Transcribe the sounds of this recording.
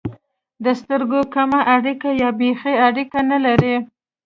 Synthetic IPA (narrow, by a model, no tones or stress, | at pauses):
d̪əst̪əɾɡokamaʔaɽikajɑbexeaɽikanalaɾi